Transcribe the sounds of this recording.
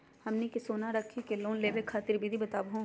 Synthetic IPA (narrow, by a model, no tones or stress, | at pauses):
hɐmnikɪsoːnaɾəkʰːikeloːnleːʋekʰːaːt̪ɪɾbid̪ʱibɐt̪aːbɦõ